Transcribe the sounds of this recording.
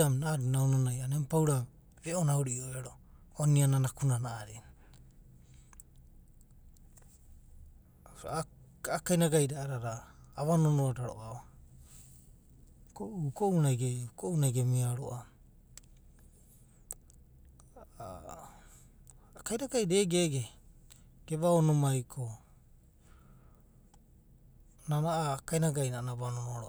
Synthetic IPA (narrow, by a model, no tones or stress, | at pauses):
amnaːɾinawnonajanempawɾa | ɾeʔonaoɾiojaɾooniananakunanaʔːɾen | akajnaɡajɾaːɾaɾaːβanonoadaɾo̰ʔa | kokounajɡekoʔunajɡemiaɾo̰ʔa | kajɾaɡajɾeɡeɡe | ɡ̥eβaonomajkʰo | nanaʔakajnaɡajnanaβanonoaɾo